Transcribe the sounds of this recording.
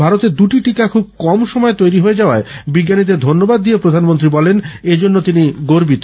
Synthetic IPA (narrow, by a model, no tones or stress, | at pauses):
bʱaɾot̪eɾd̪uʈiʈikakʰub̚kɔmʃɔmɔet̪ojɾiɦoed͡ʑaoaebiɡːanid̪eɾd̪ʱonːobad̪̚ːijepɾod̪ʱanmont̪ɾibɔlened͡ʑonːot̪iniɡoɾbit̪o